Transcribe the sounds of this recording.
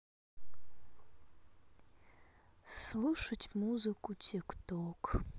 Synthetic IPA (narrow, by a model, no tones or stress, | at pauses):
sluʂatʲʼmuzɨkʼutʲʰekʰtʰʼokʼʰ